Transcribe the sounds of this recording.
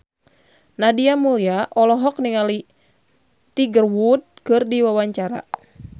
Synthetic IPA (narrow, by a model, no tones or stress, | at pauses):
nadiamuɾiaʔɔlɔɦɔk̚niŋali | t̪iɡərwud̪̚kɨrdiwawaɲt͡ʃaɾa̰